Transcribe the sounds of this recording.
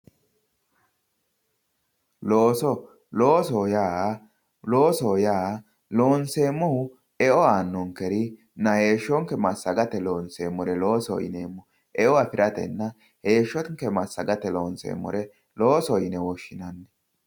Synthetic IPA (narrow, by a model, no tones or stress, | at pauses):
loːsɔ | lo̞ːsoːjaː | lo̞ːsɔjaː | lo̞ːnseːmːɔhʊ | ɛʔɔaːnːɔŋkɛɾɪ | nɐhe̞ːʃːɔŋkːɛmɐsːɐɡɐt̪ɛloːnseːmːɔɾɛlo̞ːsɔ̰ɪ̰neːmːɔ | ʔɛʔɔafɪɾɐt̪ɛ̰nːɐ | he̞ːʃːɔŋkːɛmɐsːɐɡɐt̪ɛloːnsḛːmːɔ̰ɾɛ | loːsɔjɪnɛwɔʃːɪnɐnːɛ